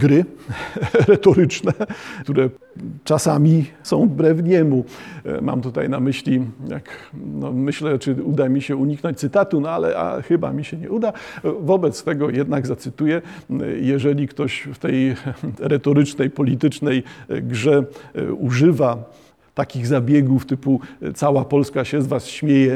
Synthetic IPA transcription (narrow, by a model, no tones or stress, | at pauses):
ɡɾɘ | ɾɛt̪ɔɾɘt͡ʂnɛt̪uɾɛ | t͡ʂasamʲisɔ̃w̃bɾɛvɲɛmuma̰mt̪ut̪a̰jnamɘɕlʲija̰knɔmɘɕlɛt͡ʂɘud̪amʲiɕɛuɲiknɔɲt͡ɕ̚t̪sɘt̪at̪unɔalɛ̰ʔa̰xɘba̰mʲiɕɛɲɛ̰ud̪avɔbɛt̪st̪ɛɡɔjɛd̪naɡzat̪sɘt̪ujɛjɛʐɛlʲikt̪ɔɕft̪ɛjɾɛt̪ɔɾɘt͡ʂnɛjpɔlʲit̪ɘt͡ʂnɛjɡʐɛuʐɘva | t̪akʲiɣzabʲjɛɡuft̪ɘput̪sawapɔlskaɕɛzvasɕmʲjejɛ